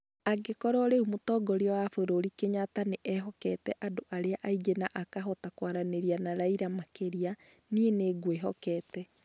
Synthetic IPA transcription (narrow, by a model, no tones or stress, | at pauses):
aɡekɔɾɔɾeumotɔɡɔɾeɔwafoɾoɾikeɲataneʔɛɦɔkɛtɛʔadoʔaɾeaʔaiɡenaʔakaɦɔtakwaɾaneɾianaɾaiɾamakeɾia | nieneɡweɦɔkɛːtɛ